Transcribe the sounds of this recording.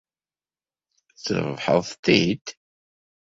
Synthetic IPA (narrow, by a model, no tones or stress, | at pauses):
θə̰ɾvħə̰ðˤt̪ːid̪